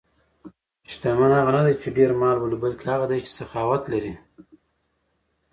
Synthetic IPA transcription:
ʃt̪amanhaɣanad̪ajt͡ʃeɖeɾmɑlbalibalkʰehaɣad̪ajt͡ʃe̥saxɑwat̪laɾi

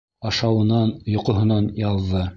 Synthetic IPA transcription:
ɑʃɑwɤ̆nɑnjŏqŏɦɤ̆nɑnjɑlˠðɤ

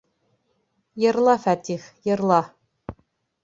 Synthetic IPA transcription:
jɤ̆ɾlˠɑfæt̪iχjɤ̆ɾlˠɑ

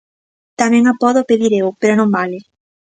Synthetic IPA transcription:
t̪amɛ̃ŋapɔðopeðiɾewpeɾonõmbalɪ

